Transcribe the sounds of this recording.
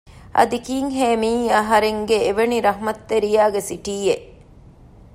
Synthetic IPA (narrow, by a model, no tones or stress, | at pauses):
ʔɐ̰d̪ikiːŋɦeːmiːɐɦɐɾeŋɡeːʋeniɾɐɦmɐt̪ːeɾijaːɡesiʈiːeʔ